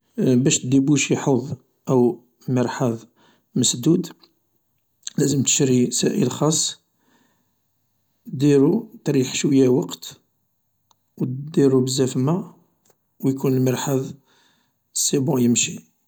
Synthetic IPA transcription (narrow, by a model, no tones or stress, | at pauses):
bæʃt̪d̪ibuʃjħoðˤ | ʔəw | məɾˤħɑðˤ | məsd̪ud̪ | læzəmt̪ə̥ʃɾisæʔəlxɑsˤː | d̪iɾut̪ɾiħʃwəjːæwɑqt̪ | wd̪iɾubəzːæfmæ | wjkunəlməɾħaðˤ | sːibõjəmʃi